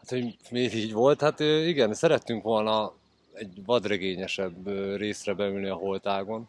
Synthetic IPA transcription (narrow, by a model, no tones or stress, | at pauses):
hat̪ho̞ɟmeːviːɟʋo̞lt̪hat̪øːiɡɛnsɛɾɛt̪ːyŋkʋo̞lnɒ | ɛɟvɒd̪rɛɡeːɲɛʃɛbøːreːsrɛbɛylniɒɦo̞lt̪aːɡo̞n